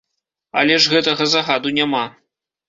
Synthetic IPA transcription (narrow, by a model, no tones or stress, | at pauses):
ɐ̰lʲɛʐɣɛt̪ɐɣɐzaɣad̪unʲama